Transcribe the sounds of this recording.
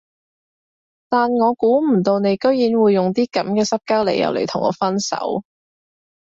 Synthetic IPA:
t̪aː˨nŋɔː˨˧kuː˨˥m̩˨˩t̪o˧wne˨˧jkɵ˥ɥjiː˨˥nwuː˨˧jːʊ˨ŋt̪iː˥kɐ˨˥mkɛː˧sɐ˥p̚kaː˥wlḛ˨˩jɐ̰˨˧wlḛ˨˩jt̪ʰʊ˨˩ŋɔ̰ː˨˧fɐ˥nsɐ̰˨˥w

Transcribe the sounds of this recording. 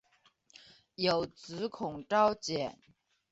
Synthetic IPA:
jo˨˩ʊt͡sɹ̩˧˥kʰʊ˨˩ŋʈ͡ʂɑ˥ʊt͡ɕjɛ˨˩˦n

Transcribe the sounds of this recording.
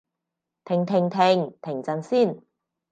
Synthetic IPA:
t̪ʰɪ˨˩ŋt̪ʰɪ˨˩ŋt̪ʰɪ˨˩ŋt̪ʰɪ˨˩ŋt͡sɐ˧nsiː˥˩n

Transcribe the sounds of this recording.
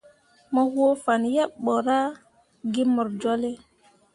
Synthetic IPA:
mɔ˨hwo˦fa˨njɛ˦ɓɔ˨ɾa˦ | ɡi˦mɔ˨ɾd͡ʒo˦le˦

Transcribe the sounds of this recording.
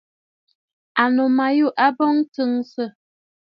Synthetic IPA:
a˨no˨ma˨ju˦˨ʔa˦bɔ˦ŋtɨ˦ŋsə˦˨

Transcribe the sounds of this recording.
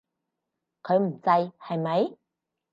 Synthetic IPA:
kʰɔ˨˦jmu˨˩za˧jha˧˩jma˨˦j

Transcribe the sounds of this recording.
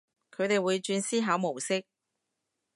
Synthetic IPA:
kʰɵ˨˧ɥt̪e˨jwuː˨˧jt͡ʃyː˧nsiː˥ɦaː˨˧˥wmo˨˩wsɪ˥k̚

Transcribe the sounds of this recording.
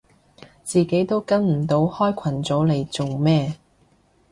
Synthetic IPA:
t͡siː˨ke˨˥jt̪o˥wkɐ˥nm̩˨˩t̪o˨˥whɔː˥jkʷʰɐ˨˩nt͡sɔː˨˥le˨˧jt͡so˨wmɛː˥˧

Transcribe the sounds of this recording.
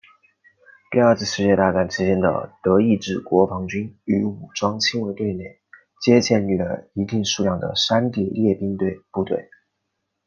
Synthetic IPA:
t̪i˥˧ə˞˥˧t͡sʰɹ̩˥˧ʂɻ̩˥˧t͡ɕjɛ˥˧t̪a˥˧˩ka˥˩nʈ͡ʂʰɻ̩˧˥t͡ɕjɛ˥nd̪ə̰˩t̪ɤ˧˥i˥˧ʈ͡ʂɻ̩˥˩kwɔ˧˥fɑ˧˥ŋt͡ɕy˥ny˧˥u˨˩ʈ͡ʂwɑ˥ŋt͡ɕʰi˥nwe˧˥ɪt̪we˥˩ɪne˥˩ɪ | t͡ɕjɛ˥t͡ɕjɛ˥˧ny˥˩lə̰˩i˧˥t̪i˥˧ŋʂu˥˧jɑ˥˩ŋd̪ə̰˩ʂa˥nt̪i˥˩ljɛ˥˩pi˥ŋt̪we˥˧ɪpu˥˧t̪wḛ˥˩ɪ

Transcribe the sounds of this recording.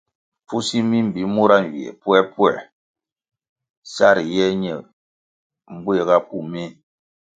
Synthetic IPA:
fu˦si˦mi˦m̩˨bi˨˦mu˦ɾa˦n̩˨i˨ɛ̰˨pwɛ˦pwɛ˨ | sa˦˨ɾi˨jɛ˦ɲɛ˨ | m̩˦bwe˦˨ɣa˦pu˦˨me˦

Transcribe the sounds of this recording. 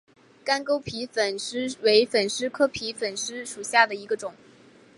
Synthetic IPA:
ka˥nko˥ʊpʰi˧˥fə˨˩nʂɻ̩˥we˧˥ɪfə˨˩nʂɻ̩˥kʰɤ˥pʰi˧˥fə˨˩nʂɻ̩˥ʂu˨˩ɕja˥˩d̪ə˩i˧˥ɡə˧ʈ͡ʂʊ˨˩˦ŋ

